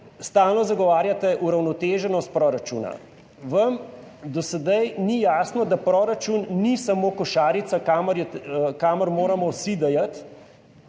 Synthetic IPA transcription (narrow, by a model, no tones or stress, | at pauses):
st̪aːlnɔzaɡɔʋaːɾjat̪ɛʔuɾawnɔt̪eːʒɛnɔst̪̚pɾɔːɾat͡ʃṵːna̰ | ʋɐm | d̪ɔsɛd̪ajnijaːsnɔd̪apɾɔɾat͡ʃunːisamoːkɔʃaːɾit̪sakamɾɛkamɔɾmoːɾamɔwsid̪ɛjat̪